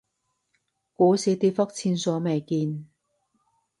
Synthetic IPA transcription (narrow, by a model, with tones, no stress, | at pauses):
kuː˨˥siː˨˥t̪iː˧fɐ˥k̚t͡sʰiː˧nsɔː˨˥me˨˩jkiː˧n